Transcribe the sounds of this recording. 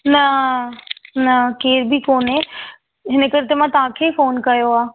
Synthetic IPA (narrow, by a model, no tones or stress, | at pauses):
nɐ | nɐkeːɾbʱikoːnɦẽ | ɦɪnəkəɾt̪emãːt̪ɐʋ̤ãkʰefoːnkɐjoaː